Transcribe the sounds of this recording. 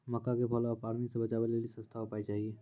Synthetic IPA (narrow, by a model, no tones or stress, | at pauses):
məkːakepʰəlapaɾmiksẽbət͡ʃabelelisə̃st̪ʰaopaɛt͡ʃaɦie